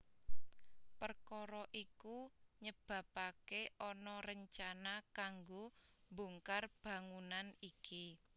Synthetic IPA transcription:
pərkɔɾɔʔikuɲəb̥ä̤pakeʔɔnɔɾəɲt͡ʃanakaŋɡoboŋkarb̥ä̤ŋunaniki

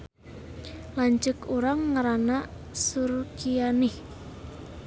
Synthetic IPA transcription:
laɲt͡ʃəkuɾaŋːaɾana | surkijanɪh

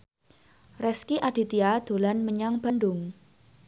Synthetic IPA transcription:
rɛskiʔaɖ̥i̤t̪iad̪̥o̤lanməɲaŋb̥a̤nɖʊŋ

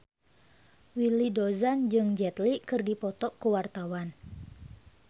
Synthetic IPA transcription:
wilidozand͡ʒɨŋd͡ʒɛt̪likɨrdipɔt̪ɔʔkəwart̪awan

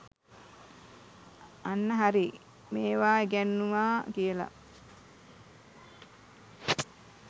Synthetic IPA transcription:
anːəɦaɾi | meːʋaːeɡænːuʋaːkijəla̰

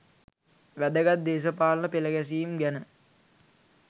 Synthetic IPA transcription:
ʋæd̪əɡat̪̚d̪eːs̬əpaːlənəpeləɡæs̬iːmɡænə

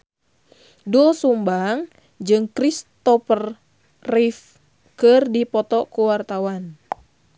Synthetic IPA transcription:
duɔsumbaŋ | d͡ʒɨŋkɾist̪ɔfər | rif | kɨrdipɔt̪ɔkuwart̪awan

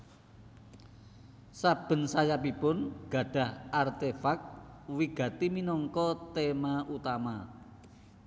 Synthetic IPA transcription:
sab̥ə̤nsajap̬ipʊnɡ̥ä̤ɖ̥a̤hart̪efak̚wiɡ̥ä̤t̪iminɔŋkɔt̪emaʔut̪ama

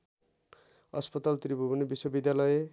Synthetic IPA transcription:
ʌspʌt̪alt̪ribʱubunebiswobid̪jalʌje

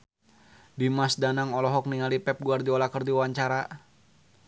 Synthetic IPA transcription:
dimasdanaŋɔlɔɦɔk̚niŋalipɛp̚ɡuardiɔlakərdiwaɲt͡ʃaɾa

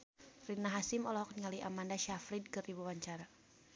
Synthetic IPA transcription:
rinaɦasɪmɔlɔhɔk̚niŋaliamandaʃafɾid̚kɨribuwaɲt͡ʃaɾa

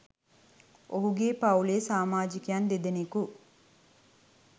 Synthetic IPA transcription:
ʔoɦuɡeːpawleːsaːmaːd͡ʒikejand̪ed̪eneku

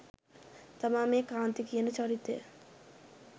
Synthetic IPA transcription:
t̪ɐmaːmekaːnt̪ikienet͡ʃɔɾit̪ːḛ

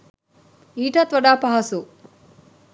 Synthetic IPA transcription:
iːʈat̪ʋɐɖaːpɐɦɐsu

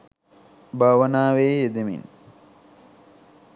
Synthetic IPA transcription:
bʱaʋɐnaːʋeːjed̪emḭn

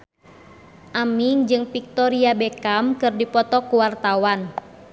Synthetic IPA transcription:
ʔamiŋd͡ʒɨŋpik̚t̪ɔɾiabɛkamkɨrdipɔt̪ɔkuwart̪awan

